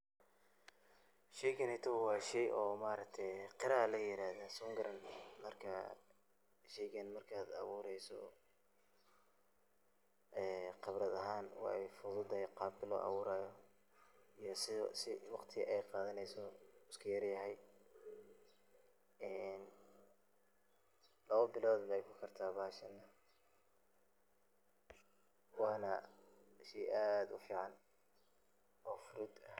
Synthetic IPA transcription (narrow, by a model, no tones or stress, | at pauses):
ʃɛjɡɐnɛt̪ʰɔwwɑːʃɛjʔɔːmaːɾɐk̚t̪ʰɛjqɪɾaːlɐjɪɾaːhðasɔːŋɡɐɾɐnmɐrkʰɐ | ʃɛjɡɐnmɐrkʰaːd̪ɑ̰βuːɾɛjsɔ̰ | ʔɛːqɑβɾɐðɐɦaːnwɑ̰ːɛjfʊðʊd̪ɛjqɑːb̚kʰɐlɔ̰ːʔɑ̰βʊːɾaːjɔ | ijɔsɪsɪwɑqt̪ʰɪɣʔɛjqɑːðɐnɛjsɔɪskʰɐjɐrjɐɦɛj | ɛn | lɐβɐbɪlɔːd̪bɛjkʰʊkʰɐrt̪ʰaːbaːʃɐnːɐ | wɑːnɐ | ʃiʔaːd̪ʊfiːʕɑn | ɔːfʊɾʊd̪ɐh